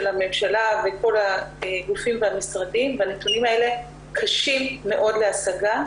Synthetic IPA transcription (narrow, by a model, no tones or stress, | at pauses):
elame̞mʃalave̞ko̞laeɡufimveamisʁadimveanetunimae̞le̞ | kʰaʃimːe̞ʔo̞dle̞asaɡa